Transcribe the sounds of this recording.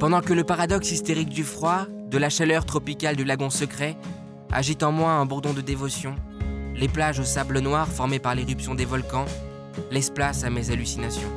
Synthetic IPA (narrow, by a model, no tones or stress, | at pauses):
pɑ̃d̪ɑ̃kələpaʁad̪ɔksist̪eʁik̚d̪yfχwa | d̪əlaʃalœʁt̪χɔpikʲald̪ylaɡɔ̃səkχɛ | a̰ʒit̪ɑ̃mwɛ̃ɛ̃buʁd̪ɔ̃d̪əd̪evɔsjɔ̃leplaʒosablənwaʁfɔʁmepaʁleʁypsjɔ̃d̪evɔlkɑ̃ | lɛsplasamezalysinasjɔ̃